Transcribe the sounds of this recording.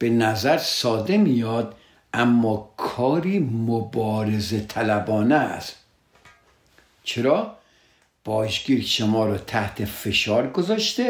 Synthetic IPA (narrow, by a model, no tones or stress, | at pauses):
b̥enæzæɾsɒːd̪e̞mijɒːd̪ | æmːɒːkʰɒːɾiːmobɒːɾeze̞t̪ʰælæbɒːneæ̰st̪ | t͡ʃʰeɾɒː | b̥ɒːʒɡiːɾʃomɒːɾɒːt̪ʰæht̪ʰe̞fe̞ʃɒːɾɡozɒːʃt̪e